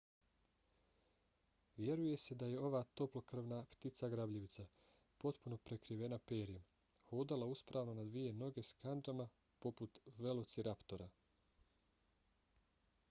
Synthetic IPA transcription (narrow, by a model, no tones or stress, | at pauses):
ʋje̞ɾuje̞se̞d̪aje̞o̞ʋaːt̪o̞plokr̩ʋnapt̪it̪saɡɾabʎeʋit̪sa | po̞t̪puno̞pɾe̞kɾiʋe̞napeːɾijem | hod̪alˠauspɾaːʋnonad̪ʋije̞no̞ɡe̞skand͡ʒama | po̞put̪ʋe̞lot̪siɾapt̪oɾa